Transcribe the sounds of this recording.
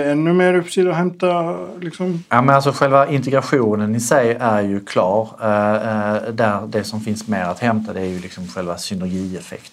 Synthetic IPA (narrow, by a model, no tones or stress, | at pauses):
ɛnːɵmeːɾɵpːsiːd̪hɛmt̪alɪksɔmjɑːmɛnals̬ɔɧɛlvaɪnt̪ɛɡɾaɧuːnənɪsɛjæɾjɵkʰlɑːʈ | d̪æɾd̪ɛsɔmfɪnsmeːɾat̪hɛmt̪ʰad̪ɛæɾjɵlɪksɔmɧɛlvasʏnæɾɡiːɛfɛ̰kt̪